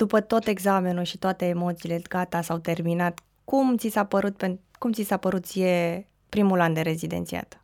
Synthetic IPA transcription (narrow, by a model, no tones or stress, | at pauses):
d̪̥upət̪o̞t̪e̞ɡzame̞nulʃit̪oat̪e̞ːmo̞t̪siːle̞ɡ̥at̪asawt̪e̞rminat̪ | kumt̪sisapəɾut̪̚penkumt̪sisapəɾut̪je̞ | pɾimuland̪eɾe̞zid̪e̞̰nt̪sia̰t̪